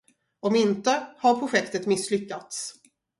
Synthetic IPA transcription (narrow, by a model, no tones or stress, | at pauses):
ɔmɪnt̪əhaɾpʰɾʊɧɛkt̪ət̪mɪsːlʏkːat̪s